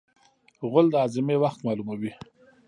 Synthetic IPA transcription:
ɣʊld̪əɑzɪmewaxt̪mɑlumawi

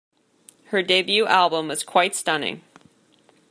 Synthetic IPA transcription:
hə˞deɪbjʉʔælˠbə̃mwʌz̥kʰw̥aɪtstʌ̃nɪ̰̃ŋ

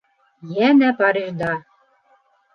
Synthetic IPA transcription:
jænæpɑɾiʒd̪ɑ

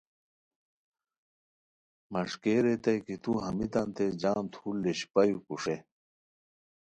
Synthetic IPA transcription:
mɐʂkeːɾet̪ɐjkit̪uɦɐmit̪ɐnt̪ed͡ʑaːmt̪ʰuːlːeɕpɐjukuʂe

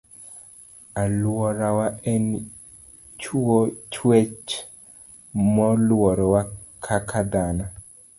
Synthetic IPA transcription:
alwɔɾawaen | t͡ʃot͡ʃwet͡ʃ | mɔlwɔɾɔwakʰakʰad̪ana

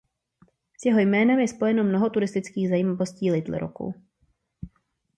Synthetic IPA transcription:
sjɛɦo̞jmɛːnɛmjɛspo̞jɛno̞mnoɦo̞t̪uɾɪst̪ɪt͡skiːɣzajimavo̞sciːlɪt̪lɛ̰ɾo̰ko̰w

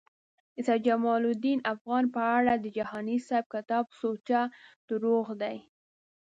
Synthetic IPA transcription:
ɪsɑd͡ʒamɑlud̪inafɣɑnpəaɽad̪əd͡ʒahɑnisajb̚kat̪ɑbsot͡ʃad̪̥əɾoɣd̪aj

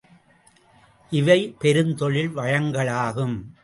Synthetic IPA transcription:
ʔɪʋɐɪpɛɾɯnt̪ɔɭɪlʋɐɻɐŋɡɐɭaːɣɯm

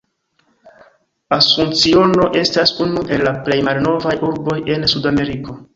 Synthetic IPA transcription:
asunt͡sio̞no̞ʔe̞stasunuʔe̞lːaple̞jmalno̞vajuɾbo̞je̞nsudame̞ɾiko̞

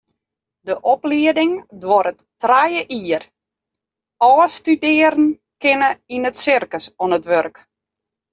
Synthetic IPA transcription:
dəʔɔpliədɪŋdʋɔɾətː | rajəʔiːər | ɔːstydɪəɾən̩ | kɪnəinətsɪrkəsɔnətʋørk

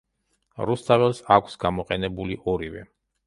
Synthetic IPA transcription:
ɾust̪ʰʼavɛlˠsakʷʰsɡamɔqʼɛnɛbuliʔɔɾivɛ̰

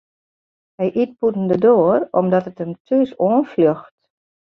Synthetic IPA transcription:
hɛjʔit̚putən̩dədoːərɔmdɔtətəmtʰysoənfløxt

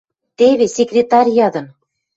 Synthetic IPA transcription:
t̪eβʲesʲekrʲet̪ɑrʲijɑd̪ɤ̆n

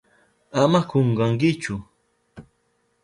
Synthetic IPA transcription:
amakoɴɢɑŋkɪt͡ʃʊ

